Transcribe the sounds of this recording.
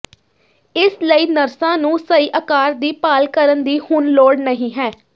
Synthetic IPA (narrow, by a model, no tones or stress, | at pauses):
ɪsləiːnəɾsãːnũːsəiːʔəkaːɾd̪iːpaːlkəɾənd̪iːhʊnloːɽnəɦĩːɦɛː